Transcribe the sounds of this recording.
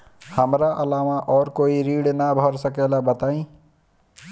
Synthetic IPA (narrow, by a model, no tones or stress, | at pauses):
həmɾaʔəlamaʔɔːɾkoːiɾiːɽnabʱəɾsəkelabət̪aːĩ